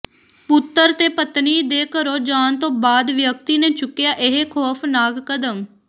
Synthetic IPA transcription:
pʊt̪ːəɾt̪eːpət̪niːd̪eːkəɾoːd͡ʒaːnt̪õːbaːd̪ʋjək̚t̪iːneːt͡ʃʊkːɪjaːʔɪɦeːkʰɔːpʰnaːɡkəd̪əm

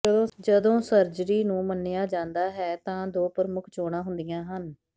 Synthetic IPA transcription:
õːd͡ʒəd̪õːsəɾd͡ʒɾiːnũːmənːejaːd͡ʒãːnd̪aːɦɛːt̪ãːd̪oːpɾəmʊkʰt͡ʃoːɽãːɦʊnd̪ijãːɦən

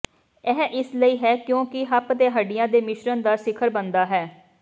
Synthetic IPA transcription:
ɛːʔɪsləiːɦɛːkjõːkɪɦəpt̪eːɦəɖɪjãːd̪eːmɪʃɾənd̪aːsɪkʰəɾbənd̪aːɦɛː

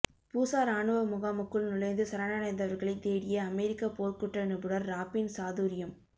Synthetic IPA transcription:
puːsaːɾaːɳɯʋɐmʊɣaːmɯkːɯɭnʊlɐɪnd̪ɯsɐɾaːnaːnɐɪnd̪ɐʋɐɾɣɐɭɐɪt̪ːeːɽɪjɐɐmɛɾɪkːapoːɾkʊʈrɐnɯpɯɽɐɾɾaːpːɪnsaːðuːɾɪjɐm

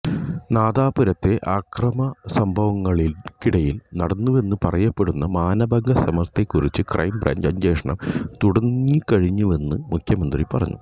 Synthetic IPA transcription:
naːd̪aːpuɾɐt̪ːe̞ʔaːkrɐmɐsɐmbʱɐʋɐŋːɐɭilkiɽɐjilnɐɽɐnːuʋe̞nːɨpɐrɐjɐpːe̞ɽunːɐmaːnɐbɐŋɡɐsɐmɐrt̪e̞kːurit͡ɕːɨkrʔɐ̰jmbrɐ̰ːɲd͡ʑɐɲd͡ʑeːʂɐɳɐmt̪uɽɐikɐɻiɲːuʋe̞nːɨmukʰjɐmɐnd̪ripɐrɐ̰ɲːṵ

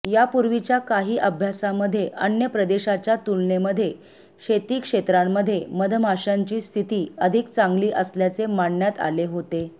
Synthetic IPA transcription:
japuɾʋit͡ɕjakaɦiːʔəbʱjasaməd̪ʱːjeʔənjəpɾəd̪eɕat͡ɕjat̪ulɳeməd̪ʱːje | ɕet̪iːkʂet̪ɾamːəd̪ʱːjeməd̪ʱəmʱaɕaɲt͡ɕiːst̪ʰit̪iːəd̪ʱikt͡sãŋɡliːʔəsljat͡semaɳːjat̪a̰leɦot̪e

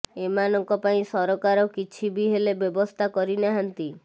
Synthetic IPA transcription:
emanɔŋkɔpaĩsɔɾɔkaɾɔkit͡ʃʰibiɦelebjɔbɔst̪ʰakɔɾinaɦant̪i

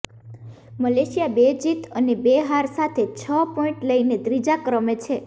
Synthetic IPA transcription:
məleʃijabed͡ʒit̪ənebeɦaɾsat̪ʰet͡ʃʰəpɔiɳʈləined̪ɾid͡ʒakɾəmet͡ʃʰe

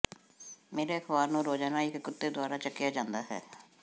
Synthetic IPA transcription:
meːɾeːəkʰbaːɾnũːɾoːd͡ʒanaːɪkːʊt̪ːeːd̪ʊaːɾaːt͡ʃəkːɪjaːd͡ʒãːnd̪aːɦɛ̰ː

